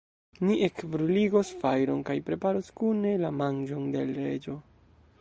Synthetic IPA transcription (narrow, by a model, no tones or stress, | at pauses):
niʔekbɾuliɡosfajɾo̞nkajpɾe̞paɾoskune̞lamand͡ʒo̞nde̞lɾe̞d͡ʒo̞